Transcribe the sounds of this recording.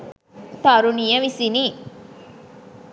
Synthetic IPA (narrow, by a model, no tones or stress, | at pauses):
t̪ɐɾunijɐʋisiniː